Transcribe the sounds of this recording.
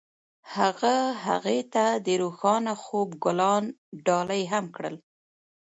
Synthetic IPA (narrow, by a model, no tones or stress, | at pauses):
haɣaɦa̰ɣet̪ad̪əɾoxɑnaxobɡʊlɑnɖɑləjɦamkɽə̰l